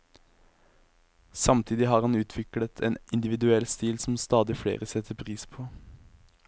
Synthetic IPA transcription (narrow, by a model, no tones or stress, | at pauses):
sɑmt̪ʰiːd̪ɪɦɑːʁhɑnʉːt̪ʰʋɪklət̪ʰeːnʔɪnd̪ɪʋɪd̪ʉɛlst̪iːlsm̩st̪ɑːd̪ɪfɽḛːʁəsɛt̪ʰəpʰʁiːspʰoː